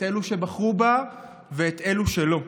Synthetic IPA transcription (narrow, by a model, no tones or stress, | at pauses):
eluʃe̞baχʁuba | veːt̪e̞luʃe̞lo̞